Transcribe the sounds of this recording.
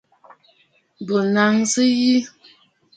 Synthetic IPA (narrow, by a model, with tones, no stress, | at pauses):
bo˨na˨˦ŋsɨ˦ji˦